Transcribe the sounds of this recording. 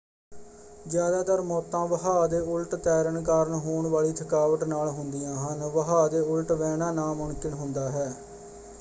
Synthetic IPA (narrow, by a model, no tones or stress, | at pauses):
zjaːd̪aːt̪əɾmɔːt̪ãːʋəɦaːd̪eːʊlʈt̪ɛːɾənkaːɾənɦoːɳʋaːɭiːt̪ʰəkaːʋəʈnaːlɦʊnd̪ɪjãːɦənʋəɦaːd̪eːʊlʈʋɛːnãːnaːmʊɳkɪnɦʊnd̪aːɦɛː